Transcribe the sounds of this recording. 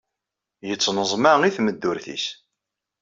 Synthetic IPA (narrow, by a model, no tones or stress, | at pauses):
jət͡sːnəzˤmaʁiθməd̪ːʊɾθḭs